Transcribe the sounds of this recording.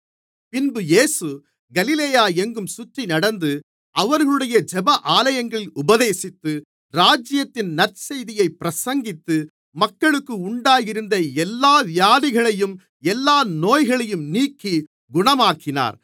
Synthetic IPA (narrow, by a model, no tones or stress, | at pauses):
pɪnbɯjeːsɯ | ɡɐlɪleːjaːɛŋɡɯmsʊʈrinɐɽɐnd̪ɯ | ɐʋɐɾɣɐɭɯɽɐjɐd͡ʒɛbɐʔaːlɐjɐŋɡɐɭɪlʊbɐðeːsɪt̪ːɯ | ɾaːd͡ʒɪjɐt̪ːɪnnɐrsɐjðɪjɐɪpːɪɾɐsɐŋɡɪt̪ːɯ | mɐkːɐɭɯkːɯʊɳɖaːjɪɾɯnd̪ɐɛlːaːʋɪjaːðɪɣɐɭɐjɯm | ɛlːaːnoːjɣɐɭɐjɯmniːkːi | ɡʊɳɐmaːkːɪna̰ːɾ